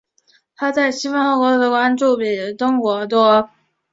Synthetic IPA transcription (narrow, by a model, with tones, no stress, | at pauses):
t̪ʰa˥t͡sa˥˩ɪɕi˥fa˥nxɔ˧˥kwɔ˧˥d̪ə˧˥kwa˥nʈ͡ʂu˥˩pi˨˩˨t̪ʊ˥ŋkwɔ˧˥t̪wɔ˥